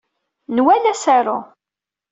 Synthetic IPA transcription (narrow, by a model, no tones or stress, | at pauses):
nwælæsaɾʊ